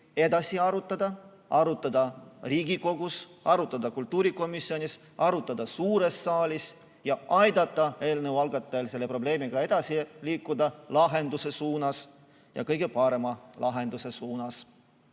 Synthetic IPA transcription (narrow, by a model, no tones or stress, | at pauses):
e̞d̪̥ɑsiɑɾut̪ːˑɑd̪ɑ | ɑɾut̪ːˑɑd̪ɑriːɡiko̞ɡ̥usɑɾut̪ːˑɑd̪̥ɑkult̪ˑːuːɾiko̞misjo̞nʲis | ʔɑɾut̪ˑːɑd̪ɑsuːɾe̞sːɑːlʲis | jɑʔɑjd̪̥ɑt̪ːˑɑe̞ːlnewɑlɡ̥ɑt̪ːˑɑelse̞lːe̞pro̞b̥le̞ːmiɡ̥ɑe̞d̪̥ɑsiliːkːˑud̪ɑlɑɦe̞nd̪̥use̞suːnɑs | jɑ̰kɤjɡ̥e̞pɑɾe̞mɑlɑɦe̞nd̪̥use̞suːnɑs